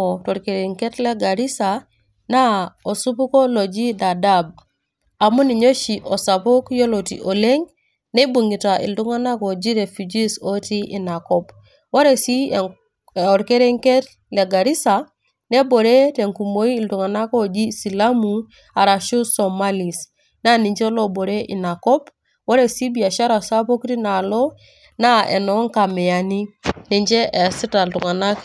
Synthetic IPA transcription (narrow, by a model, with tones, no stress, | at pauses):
oto˨ɾke˨ɾe˨ŋke˦tle˦ɡa˨ɾi˦sa | na˦o˨su˦pu˦ko˦lo˨d͡ʒi˦da˨dab | a˨mu˦ni˨ɲo˦ʃi˨ʔo˨sa˨po˦kjo˦lo˨tḭ˨ʔo˨le˦ŋ | ne˦bu˨ŋi˨ta˨ʔḭ˨ldu˦ŋa˦na˦ko˨d͡ʒi˦ɾe˨fu˨d͡ʒi˦so˦ti˦ʔi˨na˨kɔ˦b | wa˦ɾe˨si˦ | o˨ɾke˦ɾe˦ŋke˦t | le˨ɡa˨ɾi˦sa˨ | ne˦bo˨ɾe˦te˨ŋku˨mo˦iː˦˨ltu˨ŋa˨na˦ko˦d͡ʒi˦si˨la˦mu˨ | a˨ɾa˨ʃu˦sɔ˨ma˦li˨s | na˦ni˨ɲd͡ʒɛ˦lo˦bo˨ɾe˦ʔi˨na˨kɔ˦p | wɔ˦ɾe˨si˦bi˨a˨ʃa˦ɾa˨sa˦po˦kɾi˦na˨lɔ˦ | na˦ɛ̰˨nɔ˦ŋka˨mɛ˨a˨ni˦ni˨ɲd͡ʒɛ˦ʔe˨si˦ta˨ltu˨ŋa˨na˦k